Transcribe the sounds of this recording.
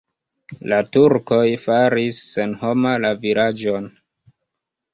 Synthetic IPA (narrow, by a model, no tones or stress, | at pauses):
latuɾko̞jfaɾisːe̞nho̞malaviɾad͡ʒo̞n